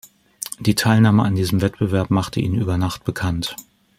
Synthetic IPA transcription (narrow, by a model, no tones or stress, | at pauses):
d̥iːtʰaɪlnaːməandiːzəmvɛtb̥əvɛɐpmaχtəʔḭːnʔyːbɐnaχt̚b̥əkʰant